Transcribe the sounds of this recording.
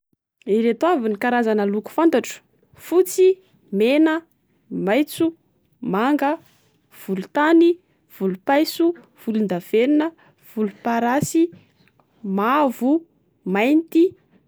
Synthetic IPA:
iɾet̪wavinikaɾazanəluku̥fant̪aʈ͡ʂu̥ | fut͡si | menə | majt͡su | maŋɡə | v̥ulut̪ani | v̥ulupajsu | v̥ulund̪av̥eninə | v̥ulupaɾasi | mavu | majnt̪i

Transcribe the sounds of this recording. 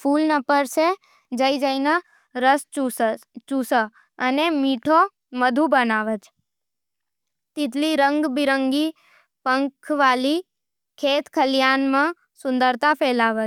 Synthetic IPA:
pʰulnəpəɾʃe | d͡ʒəid͡ʒəina | ɾəs | t͡ʃusə | ənemiʈʰo | məd̪ʱũbənaʋət͡ʃ | t̪it̪liɾəŋɡbiɾəŋɡi | pəŋkʰʋali | kʰet̪kʰəljanmã | sʊ̃nd̪əɾt̪apʰɛlaʋət͡ʃ

